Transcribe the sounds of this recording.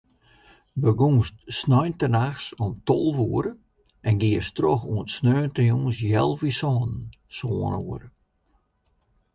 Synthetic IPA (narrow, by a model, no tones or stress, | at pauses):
bəɡuːstsnɔjntənaxsɔmtɔlˠʋuəɾə | ɛnɡiəstroxuətsnøːntrjuːsjɛlˠʋisɔːn | soːənuər